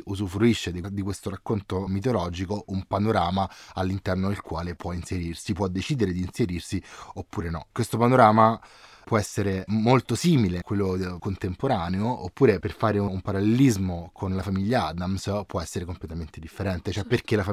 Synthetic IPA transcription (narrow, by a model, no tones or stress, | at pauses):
uzufɾuiʃːed̪id̪ikwest̪oɾakːont̪omit̪̬olɔːd͡ʒikoʔumpanoɾaːmaalːint̪ɛrnod̪elkwaːlepwɔinseɾirsipwɔd̪ːet͡ʃiːd̪eɾed̪iːnseɾirsiopːuːɾenɔ̰kːwest̪opanoɾaːma | pwɔɛsːeɾemolt̪osiːmilekwelːokont̪empoɾaːneoopːuːɾeperfaːɾeuumpaɾalːelizmokʰonlafamiʎːaad̪amspwɔɛsːeɾekomplet̪ament̪ed̪ifːeɾɛnt̪et͡ʃoɛpːerk̟elaf